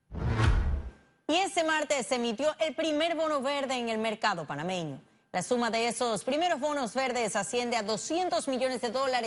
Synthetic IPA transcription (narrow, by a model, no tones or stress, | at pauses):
ie̞st̪e̞maɾt̪esːemit̪jo̞ʔelpɾime̞ɾβo̞noβe̞ɾðe̞ːŋe̞lme̞ɾkaðo̞panamẽ̞ɲo̰ | lasumaðeeso̞spɾime̞ɾo̞zβo̞nozβe̞ɾðesasje̞nd̪eaðo̞sje̞nt̪ozmiʝo̞nezðeðo̞laɾe